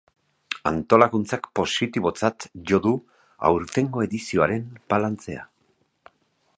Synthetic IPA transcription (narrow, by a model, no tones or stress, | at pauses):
a̰nt̪o̞laɣunt͡sakpo̞sit̪iβ̞o̞t͡sat̪ʝo̞ðu | a̰wɾt̪e̞ŋɡo̞e̞ðisio̞aɾe̞mbalant͡se̞a̰